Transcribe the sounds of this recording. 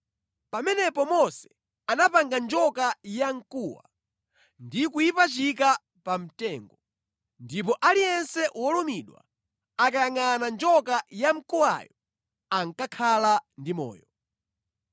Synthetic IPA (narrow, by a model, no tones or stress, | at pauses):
pamɛnɛpɔmɔsɛ̥ | anapaŋɡand͡ʒɔkajaŋ̩kuwa̰ | ndikujipat͡ʃik̬a | pam̩tɛːŋɡɔ | ndip̬ɔʔalijɛnsɛwɔlɔmiɗwa̰ | akajaŋanand͡ʒɔkajam̩kuwa̰jɔ | aŋkakʰalandimɔ̰ːjɔ